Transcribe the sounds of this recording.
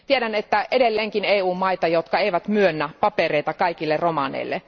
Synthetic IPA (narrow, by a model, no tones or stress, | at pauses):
t̪iedænet̪ːæʔe̞delːeːŋkineːuːmmːɑit̪ɑjot̪kɑe̞iʋæt̪myønːæpɑpereijt̪ɑkɑikilːerromɑnḛilːḛ